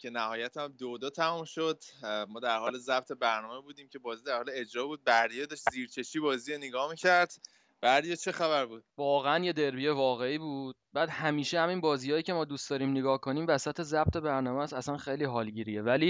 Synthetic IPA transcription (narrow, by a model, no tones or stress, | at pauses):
cʰe̞næhɒːjæt̪ʰæmd̪od̪ɒːt̪ʰæmumʃod̪mɒːd̪æɾhɒːlezæb̚t̪ʰe̞bæɾnɒːmebuːd̪iːmcʰe̞bɒːziːd̪æɾhɒːleed͡ʒɾɒːbuːd̪̚bæɾd̪ijed̪ɒʃt̪ziːɾt͡ʃʰe̞ʃiːbɒːziːeneɡɒːmicʰæɾd̪̥ | b̥æɾd̪ijet͡ʃʰe̞xæβæɾbuːd̪̥vɒːɣeænje̞d̪e̞ɾbijevɒːɣe̞iːbuːd̪̥bæːd̪̥hæmiːʃehæminbɒːziːjɒːjiːcʰe̞mɒːd̪uːst̪d̪ɒːɾiːmneɡɒːhko̞niːmvæsæt̪ʰe̞zæb̚t̪ʰe̞bæɾnɒːmæsæsænxejliːɦɒːlɟiːɾijevæliː